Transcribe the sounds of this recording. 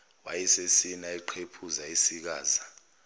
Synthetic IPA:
wajisesinaiǃʰepʰuzaisik̬aːza

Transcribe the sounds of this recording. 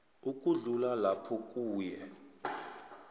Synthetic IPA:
uk̬ʼuɮulalapʰɔk̬ʼuːjɛ

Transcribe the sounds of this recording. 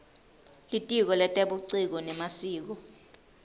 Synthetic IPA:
litʼik̬ɔlɛtʼɛɓuǀik̬ɔnɛmasiːk̬ɔ

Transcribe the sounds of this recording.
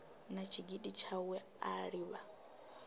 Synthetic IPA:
nat͡ʃʰiɡiɗit͡ʃʰawɛ | aɺiβa

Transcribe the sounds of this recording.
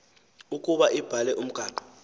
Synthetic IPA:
ukʼuɓaʔib̥ʱalɛʔum̩ɡ̥ʱaːǃɔ̥

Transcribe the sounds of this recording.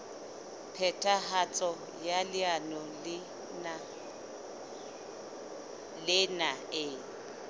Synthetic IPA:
pʰɛtʰʼahat͡sʼɔ | jalɪanɔlɪ | a | lɪnaɪː

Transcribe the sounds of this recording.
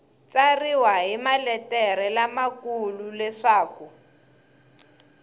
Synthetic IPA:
t͡sariwaɦimalɛtɛɾɛlamakululɛʂaːku

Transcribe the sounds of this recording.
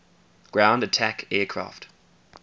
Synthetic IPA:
ɡ̥ɹãʊ̃ndətʰækɛːkʰɹ̥ɑ̰ːˑft

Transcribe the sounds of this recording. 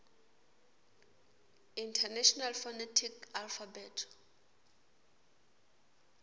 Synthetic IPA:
intʰɛnɛʃɔnalfɔnɛtʰikalfabɛtʰ

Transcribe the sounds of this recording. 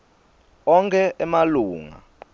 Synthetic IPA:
ɔŋkʰʼɛʔɛmaluːŋa̰

